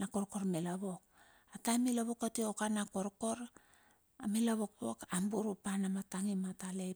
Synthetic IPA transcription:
nakoɾko̞ɾmilaβok̚ | atajmilaβokatiokanakoɾko̞ɾ | amilaβo̞k̚po̰kambuɾupanamataŋimatale

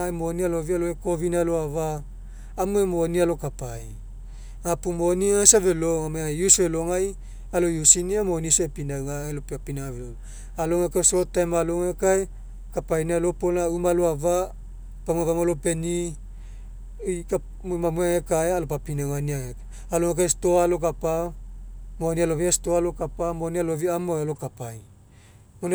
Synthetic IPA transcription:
aemonialovialoeko̞vinaloavaː | muemonialo̞kapaj | ŋapumoniaesave̞loŋameajusveloŋaj | alojusiniamonisoepinawŋaelopapinaavelo | aloŋekasotːajmaloŋekae | kapajnalopolnaumaloava | pamuavamolope̞ni | jka | momamuaŋekaealopapinawŋaniaŋek | aloŋak̬ajstoalok̬apa | monialoviastoalokapamonialoviamoalokapaj | moni

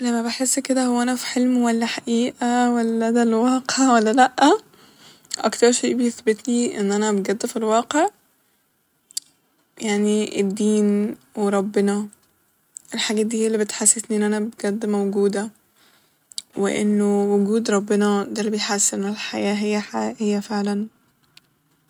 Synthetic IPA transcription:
læmːæbeħesːked̪æhowːæʔænæfi̥ħelmwælːæħaʔiːʔæwælːæd̪ælwɑːqeʕwælːælæʔːæ | ʔɑ̰kt̪ɑɾˤʃeːʔbejeθbet̪niʔḛnːʔænæbeɡæd̪ːfilwɑːqeʕ | jaʕniʔed̪ːiːnweɾˤɑbːenɑ | ʔelħaɡæːt̪̚d̪iːælːibet̪ħasːet̪niʔenːʔænæbɡæd̪ːmæwɡuːd̪æ | wḛʔḛnːowʊɡuːd̪ɾˤɑbːenɑd̪ælːibejħasʔenːolħajæːɦejːæħahejːæfeʕlæn

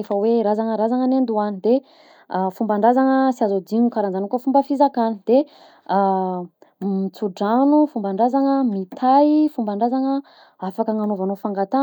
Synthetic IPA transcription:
efəweɾazaŋəɾazaŋənend̪uanid̪e | fumbaɳɖ͡ʐazaŋəsiazod̪iɲukaɾand͡zanukafumbəfizakanid̪̥e | mit͡suɖ͡ʐanufumbaɳɖ͡ʐazaŋəmit̪ʰaifumbaɳɖ͡ʐazaŋə | afakəŋanovanofaŋɡat̪a

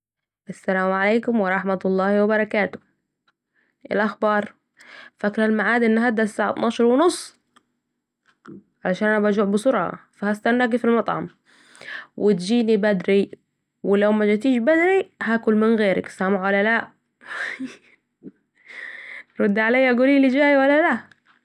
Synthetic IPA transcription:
ʔasːalaːmʕaleːkʊmwɪɾˤɑħmat̪lˤːɑːhwabɑɾˤɑkaːt̪ʊ̥ | ʔɪ̰lʔaxbɑːɾˤ | faklalmaʕaːd̪ʔɪnːɦad̪ːasːaːʕa̰t̪nɑːʃɑɾˤwɪnʊsˤː | ʕalaʃaːnʔanabad͡ʒuːʕbɪsʊɾˤʕɑ̰fahast̪anːaɡifilmɑt̪ˤʕɑ̰m | wʔɪt̪d͡ʒiːnibad̪ɾi | wɪlawmad͡ʒat̪iːʃbad̪ɾihakʊlmɪnɣeːɾa̰ksamaʕwalːalaʔ | ɾˤʊd̪ːʕalajːʔaɡuːliːlɪd͡ʒaːjwalːalaʔ

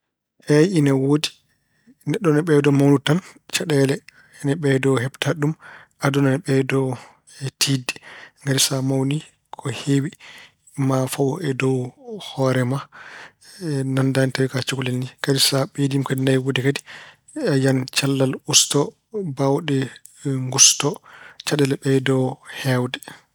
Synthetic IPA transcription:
ʔɛjinawodi | nɛɗːɔnɛɓɛdɔmawnutant͡ʃaɗɛlɛ | ɛnɛɓɛdɔwhɛbtʰaɗum | adɔnanɛɓɛdɔ | tʰidi̥ŋɡadisamawni | kʰɔhewi | mafawɔɛdɔwhɔɾɛma | nandantawikat͡ʃukulɛlniŋɡ̥adisaɓedimkadinajwodikadi̥ | ajant͡ʃalːalustɔ | bawɗɛ | ŋɡustɔt͡ʃaɗɛlɛɓɛdɔwhɛwdɛ

